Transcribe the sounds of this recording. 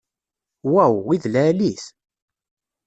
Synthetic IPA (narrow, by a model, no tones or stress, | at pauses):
wæwiðlæːlis